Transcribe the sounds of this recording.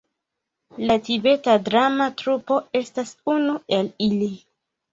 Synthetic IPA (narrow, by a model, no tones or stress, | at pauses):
latibe̞tadɾamatɾupo̞e̞stasunue̞lili